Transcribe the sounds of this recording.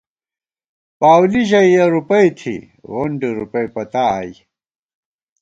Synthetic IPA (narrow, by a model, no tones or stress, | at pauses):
paːwliʑɐjjɐɾupɐjt̪ʰḭ | ɣoɳɖiɾupɐjpɐt̪aːji